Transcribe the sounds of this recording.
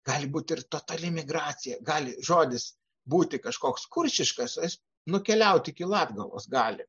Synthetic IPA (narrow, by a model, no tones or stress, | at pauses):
ɡ̥ɑːlʲɪbuːt̪ʲɪrt̪oːt̪ɐlʲɪmʲɪɡrɑːt͡s̪ʲɪjɛɡɑːlʲɪʒoːd̪ʲɪs | buːt̪ʲɪkɐʃkoːkskʊrʲʃʲɪʃkɐsɪs | nʊkʲɛlʲɛʊt̪ʲɪkʲɪlˠɑːd̪ɡɐlˠo̰ːsɡɑːlʲɪ